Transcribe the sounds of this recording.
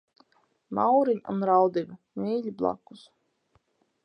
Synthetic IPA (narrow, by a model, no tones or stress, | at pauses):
mawɾiɲṵnɾawd̪iva | mʲiːʎʲiblˠa̰ku̥s